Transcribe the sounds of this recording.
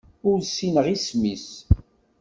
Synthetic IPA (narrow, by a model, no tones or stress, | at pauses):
ʊɾsinəʁismis